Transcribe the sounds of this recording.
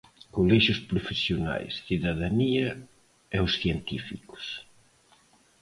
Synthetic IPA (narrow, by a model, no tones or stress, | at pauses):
kolɛʃʊspɾofesjona̰jsθiðaðaniɐ | ɛʊsθjɛnt̪ifikʊ̥s